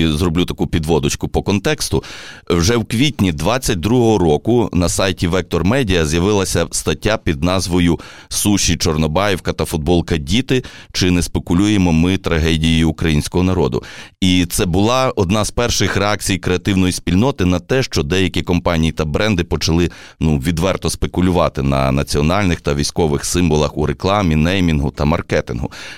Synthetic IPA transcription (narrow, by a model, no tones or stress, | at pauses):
izrɔblʲut̪ɐkupʲid̪ʋɔd̪ʊt͡ʃkʊpɔkɔnt̪ɛkst̪ʊwʒɛwkʋʲitʲnʲid̪ʋɑt͡sʲːɐt̚ʲd̪ɾuɦɔɦɔɾɔkʊnɐsɑjtʲiʋɛk̚t̪ɔrmɛdʲijɐzjɐʋɪlˠɐsʲɐst̪ɐtʲːapʲid̪̚nɑzʋɔjʊ | suʃːit͡ʃɔrnɔbɑjɛwkɐt̪ɐfʊd̪̚bɔlˠkɐdʲit̪ɪt͡ʃɪnɛspekʊlʲujemɔmɪt̪ɾɐɦɛdʲijijiʊkɾɐjinʲsʲkɔɦɔnɐɾɔd̪ʊ̰it̪sɛbʊlˠɑɔd̪nɑz̥pɛrʃɪxɾeɑk̚t͡sʲijkɾeɐt̪ɪwnɔjisʲpʲilʲnɔt̪ɪnɐt̪ɛʃt͡ʃɔd̪ɛjɐkʲikɔmpɑnʲijit̪ɐbɾʔɛnd̪ɪpɔt͡ʃɐlˠɪ | nuʋʲid̪ʋɛrt̪ɔspekʊlʲʊʋɑt̪ɪnɐ̰nɐt͡sʲiɔnɑlʲnɪxt̪ɐʋʲisʲkɔʋɪxsɪmʋɔlˠɐxuɾeklˠɑmʲinɛjmʲinɦʊt̪ɐmɐrkɛt̪ɪnɦʊ